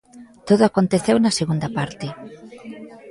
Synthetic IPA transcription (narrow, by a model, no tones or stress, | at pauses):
t̪oðʊakont̪eθewnɐseɣund̪ɐpaɾt̪e